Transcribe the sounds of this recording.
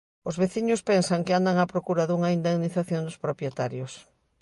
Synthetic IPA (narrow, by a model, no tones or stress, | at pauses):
ʊzβeθiɲʊspɛnsaŋkɪand̪aŋapɾokuɾɐðuŋaind̪eɣniθaθjond̪ʊspɾopjet̪aɾjʊs